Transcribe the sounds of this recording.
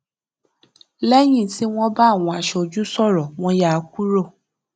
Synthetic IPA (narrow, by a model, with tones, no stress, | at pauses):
lɛ˦j̃ĩ˦˨ti˦w̃ɔ̃˦ba˦˨w̃ɔ̃˧a˨ʃɛ˧o˧˨d͡ʒu˦sɔ˦˨ɾɔ˨w̃ɔ̃˧ja˦˨˧ku˦ɾo˦˨